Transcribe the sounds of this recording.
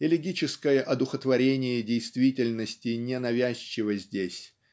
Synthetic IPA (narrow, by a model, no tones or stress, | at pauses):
ɪlʲɪɡʲit͡ɕɪskəjəʔɐd̪ʊxət̪vɐɾʲenʲɪjədʲejst̪vʲitʲɪlʲnəsʲtʲɪnʲɪnɐvʲæɕːɪvəzʲdʲesʲ